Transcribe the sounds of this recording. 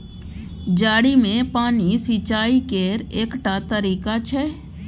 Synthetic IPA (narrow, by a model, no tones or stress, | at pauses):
d͡ʒaːɽimẽpaːnisit͡ʃaːikeːɾeːkʈat̪əɾiːkat͡ʃʰɛ